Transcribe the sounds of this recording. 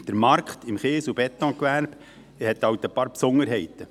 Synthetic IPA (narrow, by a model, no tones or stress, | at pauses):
d̥əɾmɑɾkχt̪ɪmχeːsubɛt̪ːɔ̃ːkʋæɾb | hɛt̪ɑwt̪əpɑːɾpsoŋəɾɦɛɪt̪ə